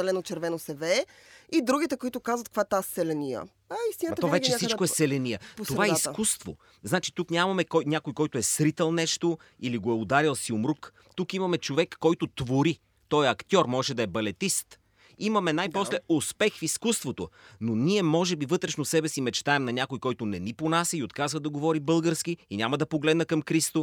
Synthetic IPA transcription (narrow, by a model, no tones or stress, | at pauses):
ɛlɛnot͡ʃɛɾvɛnosɛvɛː | id̪ɾuɡʲit̪ɛkoit̪ʊkazvɐt̪kvat̪assɛlɛnijə̰ | ɐist̪inət̪ɔvɛt͡ʃɛsit͡ʃkkoɛsɛlɛniəp̪oaaɛiskust̪vo̰ | znat͡ʃi̥t̪uknʲamɐmɛkɔjnʲakojkɔjt̪oɛsɾit̪ɛlˠnɛʃt̪o | iliɡoɛʊd̪aɾilˠsiomɾuk | t̪ukimɐmɛt͡ʃovɛkːɔjt̪ot̪voɾi | t̪ɔjɐkt̪ʲɔɾmɔʒɛd̪ɐɛbɐlɛt̪ist̪ | imɐmɛnajposlɛospɛxfiskust̪vot̪o̰nonʲiɛmɔʒɛbivɤt̪ɾɛʃnosɛbɛsimɛt͡ʃt̪aɛmnɐnʲakojkɔjt̪ʊnɛniponasiot̪kazvɐd̪ɐɡovɔɾibɤlˠɡəɾsk̟iinʲamɐd̪ɐpoɡlɛd̪nɐkɐmkɾist̪o